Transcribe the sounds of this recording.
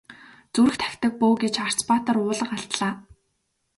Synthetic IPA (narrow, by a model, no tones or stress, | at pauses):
t͡suɾɘ̆xt̪ʰæ̥xʲt̪ə̆k̚poːɡet͡ɕar̥t͡spaːt̪ə̆rʊːɮə̆qaɬt̪ɮaː